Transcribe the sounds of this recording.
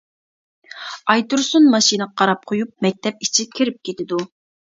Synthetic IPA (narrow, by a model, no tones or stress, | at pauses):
ɑjt̪uɾsunmɑʃinɨqʰɑɾɑp̚qʰojup̚mɛk̚ʲt̪ʰɛp̚it͡ʃʰikʲʰiɾɪp̚kʲʰet̪ʰɪd̪u